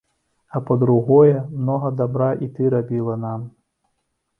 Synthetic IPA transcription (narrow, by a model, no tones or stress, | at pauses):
ɐpɐd̪ɾuɣɔjɛmnɔɣɐd̪abɾaʔit̪ɨɾabʲilˠɐnam